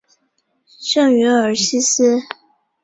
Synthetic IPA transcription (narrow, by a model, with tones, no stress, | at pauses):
ʂɤ˥˩ŋɥy˧˥ə˞˧˥ɕi˥s̩˥